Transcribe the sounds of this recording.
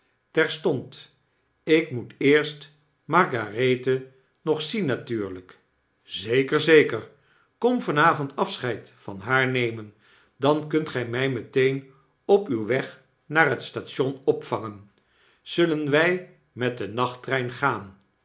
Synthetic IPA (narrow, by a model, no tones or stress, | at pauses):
tɛɹstɔnt | ɪkmutɪːɹst | mɑɹɡarejtə | nɔχsinːatyːɹlək | zejkəɹzejkəɹ | kɔmvɑnaːvɔntɑfsχɛjtfɑnɦaːɹnejmən | dɑnkɵntχɛjmɛjmətejn | ɔpywʋɛχ | naːrɦətstaːtʃɔnɔpfɑŋən | z̥ɵlənʋɛj | mɛt̚dənɑχtrɛjnχaːn